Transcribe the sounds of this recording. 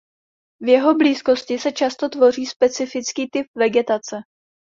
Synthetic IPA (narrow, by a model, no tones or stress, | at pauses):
vjɛɦo̞bliːsko̞scɪsɛt͡ʃast̪o̞t̪vo̞r̝iːspɛt͡sɪfɪt͡skiːt̪ɪp̚vɛɡɛt̪at͡sɛ